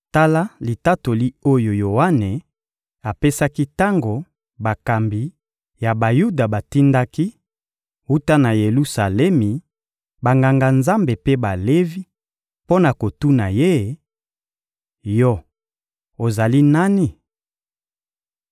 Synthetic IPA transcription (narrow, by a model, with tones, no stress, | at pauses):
ta˦la˦li˨ta˦to˨li˦o˦jo˨jo˨wa˦ne˨ | a˨pe˦sa˦ki˦ta˦ŋɡo˨ | ba˨ka˨mbi˨ | ja˨ba˨ju˦da˨ba˨ti˦nda˦ki˦ | u˦ta˦na˨je˨lu˦sa˨lɛ˦mi˨ | ba˨ŋɡa˨ŋɡa˨nza˦mbe˨pe˦ba˨le˦vi˦ | po˦na˨ko˨tu˦na˨je˦˨ | jɔ˦ | o˨za˨li˦na˦ni˦